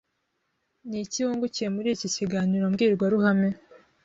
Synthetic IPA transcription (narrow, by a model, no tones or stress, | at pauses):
niciuːŋɡuciemuɾiːciciɡaɲuɾamɡiːɾɡwaɾuhame